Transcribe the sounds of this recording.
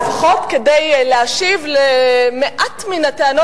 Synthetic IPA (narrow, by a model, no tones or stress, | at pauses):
faχo̞t̪kedejleaʃivlemeʔatminateano